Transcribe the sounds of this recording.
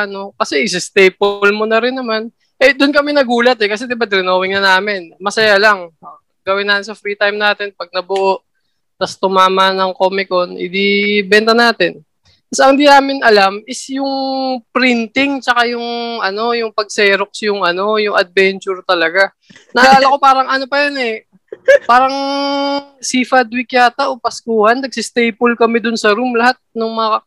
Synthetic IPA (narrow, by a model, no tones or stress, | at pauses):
no̞kɐsɛʔɪsɛst̪ɛjp̚olmonɐɾɪnːɐman | ʔɛd̪ʊnkɐmɛnɐɡuːlɐt̪ɛkɐs̬ɛd̪ɪbad̪ɪɾɪnoːwɪŋnɐnaːmɪnmɐsɐjalɐŋ | ɡɐwɪnːaːt̪ɪnsɐfɾiːt̪ajmnaːt̪ɪnpɐɡ̚nɐbʊʔoʔ | t̪ɐst̪ʊmaːmɐnɐŋkoːmɪko̞nɪ̰d̪ibɛnt̪ɐnaːt̪ɪn | ɐsɐŋd̪inaːmɪnʔɐlamɪsjʊŋpɾɪnt̪ɪŋt͡ʃɐkajʊŋʔɐno̞jʊŋpɐɡ̚sɛːɾok̚sjʊŋʔɐno̞jʊŋɐd̪̚bɛnt͡ʃʊɹt̪ɐlɐɡa | nɐʔɐlaːlɐko̞paːɾɐŋʔɐno̞pɐjonɛ | paːɾɐŋ | sifɐd̪wɪkjaːt̪ɐʔopɐskuːhɐnːɐɡ̚sɪst̪ɛjpolkɐmɛd̪ʊnsɐɾumlɐhat̪̚nʊŋmɐŋa